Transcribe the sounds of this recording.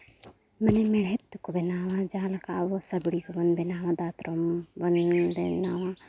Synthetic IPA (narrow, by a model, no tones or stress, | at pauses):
mɐnemɪɽet̪ːukobenaːʋad͡ʒaːlɐkaːʋosɐbɽikobɐnbenaːʋãd̪aːt̪ɾombɐnbenaːʋã